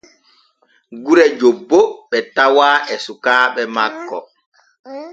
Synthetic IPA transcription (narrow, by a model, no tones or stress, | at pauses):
ɡuɾɛd͡ʒobːoɓɛtawaːʔɛsukaːɓɛmakːɔ